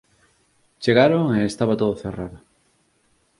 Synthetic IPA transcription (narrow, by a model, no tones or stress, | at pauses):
t͡ʃeɣaɾoŋeːst̪aβat̪oðoθeraðʊ